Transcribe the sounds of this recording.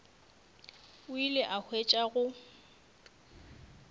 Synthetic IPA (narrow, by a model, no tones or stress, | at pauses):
ʊilɪʔahʰwet͡ʃʼaɣʊ